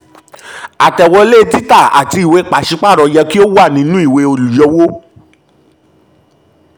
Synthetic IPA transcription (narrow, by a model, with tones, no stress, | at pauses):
a˨tɛ˨wɔ˧le˦˧˦ti˦ta˦˨a̰˨ti˧i˨we˧˦k͡pa˨ʃi˧˦k͡pa˦˨ɾɔ˨˧jɛ˧ki˦o˦wa˦˨nĩ˨˦nũ˦i˦˨we˧o˧lu˨jɔ˧wo˦